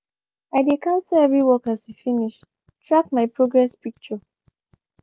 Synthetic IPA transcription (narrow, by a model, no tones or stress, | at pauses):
aɪdekʰãʊ̃nsəɛvɹiwɔkazifiniʃ | tʰɹakmaɪpɹoɡɹɛspik̚t͡ʃə